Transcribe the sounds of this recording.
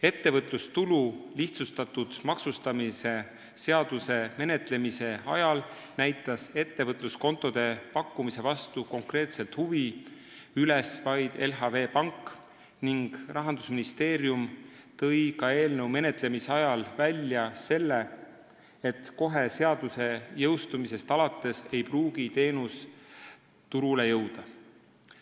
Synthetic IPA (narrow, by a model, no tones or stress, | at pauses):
e̞t̪ːe̞vɤt̪ˑlust̪ululiht̪sust̪ɑt̪ːˑud̪̥mɑksust̪ɑmise̞ | se̞ɑd̪̥use̞me̞ne̞t̪ˑle̞mise̞ɑ̰jɑl | næjt̪ːˑɑse̞t̪ːe̞vɤt̪ˑlusko̞nt̪ːˑo̞d̪̥e̞pɑkːumise̞vɑst̪uko̞ŋkɾe̞ːt̪se̞lt̪ˑhuvi | ylesvɑjd̪̥e̞lɦɑve̞ːpɑŋkːˑ | niŋɡ̥rʔɑɦɑnd̪usminist̪e̞ːɾjum | t̪ɤ̞jkɑe̞ːlne̞wme̞net̪ˑle̞miseɑjɑlvælʲːjɑse̞lːe̞ | et̪ko̞ɦe̞se̞ɑd̪̥use̞jɤwst̪umise̞st̪ɑlɑt̪ːˑe̞se̞jpruːɡ̥it̪e̞ːnus | t̪uɾule̞jɤwd̪̥ɑ